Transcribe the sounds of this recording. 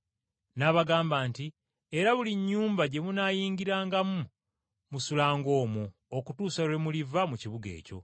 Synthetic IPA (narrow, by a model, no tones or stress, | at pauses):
naːβaɡaːmbaːnti | eɾaβuliɲːuːmbaɟe̞munaːjiːŋɡiɾaːŋɡamu | musulaːŋɡo̞ːmu | okutuːsaɾwemulivamuciβuɡe̞̰ːco̞̰